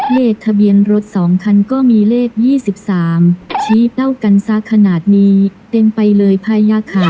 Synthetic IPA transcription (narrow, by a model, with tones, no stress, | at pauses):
leː˥˩k̚t̪ʰa˧bi˧ənɾo˦˥t̪̚sɔː˩˦ŋkʰa˧nkɔː˥˩miː˧leː˥˩k̚jiː˥˩si˨˩p̚saː˩˦mt͡ɕʰiː˦˥t̪ʰa˥˩wka˧nsa˦˥˩kʰːa˧naː˨˩t̪̚niː˧˥t̪e˧npa˧jlɤː˧jpʰaː˧jaː˧kʰaː˨˩